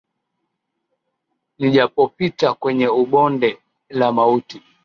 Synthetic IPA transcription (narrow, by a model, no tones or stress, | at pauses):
niʄapɔpitakwɛɲɛuɓɔndɛ | lamauti